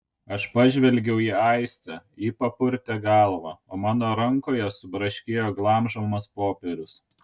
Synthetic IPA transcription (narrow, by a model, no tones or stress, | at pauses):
ɐʃpɑʒʲʋʲɛlʲɡʲɛʊiːɐɪsʲt̪ʲɛiːpɐpʊɾʲt̪ʲɛɡɑːlˠʋɑ̰ːoːmɑːnoːɾɐŋkoːjɛsʊbɾɐʃʲkʲeːjoːɡlˠɑːˑmʒomɐspoːpʲɛɾʲʊs